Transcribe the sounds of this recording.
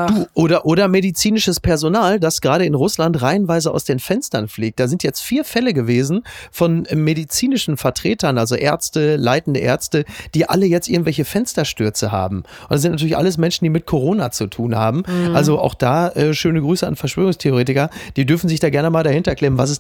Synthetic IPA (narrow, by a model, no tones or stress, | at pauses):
d̥uːʔoːdɐʔoːɾɐmedit͡siːnɪʃəspʰɛɐzonaːldasɡ̥ʁaːɾəɪnʁʊslantʁaɪnvaɪzəa̰ʊsd̥eːnfɛnstɐnfliːk̚t̚d̥aːzɪntjɛt͡stfiːɐfɛləɡəveːzn̩fɔnmedit͡siːnɪʃn̩fɛɐtʁ̥eːtɐnʔalzoʔḛːɐt͡stəlaɪtn̩dəʔḛɐt͡stəd̥iːʔa̰ləjɛt͡stʔɪɐɡŋ̩tvɛlçəfɛnstɐʃtʏɐt͡səha̰ːbm̩ʊnd̥as̬ɪntntʰyɐɪçʔa̰ləs̬mɛnʃn̩diːmɪt̚kʰoʁ̞oːnat͡sutʰuːnhaːbm̩ʔalzoʔa̰ʊxd̥aːʔɛːʃøːnəɡʁyːsəa̰nfɛɐʃv̥øːʁʊŋstʰeoʁeːtɪkɐd̥iːdʏɐfn̩zɪçd̥aːɡɛɐnəmaːldahɪntɐɛklɛːʁənvas̬ɛs